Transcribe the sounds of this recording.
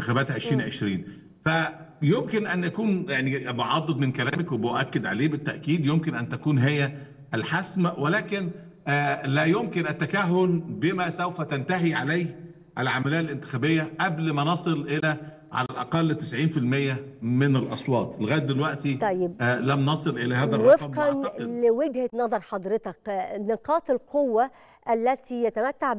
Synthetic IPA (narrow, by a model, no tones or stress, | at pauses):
t̪exæbæːt̪ʕeʃɾiːnʕḛʃɾiːn | fæjomkenʔænʔækuːnjaʕnibeʕɑd̪ˤːod̪ˤmenkælæːmækwebeʔækːed̪ʕaleːbet̪ːæʔkiːd̪jomkenʔænt̪ækuːnɦejːæ | ʔælħasmæwelæːkenː | læjomkenʔæt̪ːækæɦːolbemæsowfæt̪ænt̪æɦiʕalæjh | ʔælʕamæliːʔlʔɪnt̪ɪ̥xæːbejːæʔæblmænɑsˤɨlʔɪlæ | ʕa̰lælʔɑ̰qɑlːt̪ɪsʕiːnfilmejːæmɪnælʔɑsˤwɑːt̪ˤʔelɣæːd̪̚ːelwæʔt̪it̪jːblæmnɑsˤɨlʔelæɦæːððærːwefɑmɑnɑlweɡhet̪nɑðˤɑɾˤħɑd̪ˤɾet̪ɑknɪqɑːt̪elqowːæ | ʔælːæt̪ʰijæt̪æmæt̪ːaʕ